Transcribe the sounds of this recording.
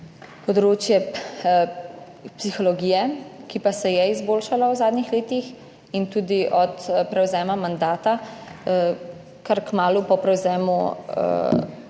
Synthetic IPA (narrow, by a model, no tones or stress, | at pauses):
pɔd̪ɾoːt͡ʃjɛ | psixɔlɔɡiːjɛkipasɛjɛizboːlʃalawzaːd̪nixleːt̪ix | int̪uːd̪iʔɔt̪pɾɛwzɛːmamand̪aːt̪a | kaɾkmaːlupɔpɾɛwzɛːmṵ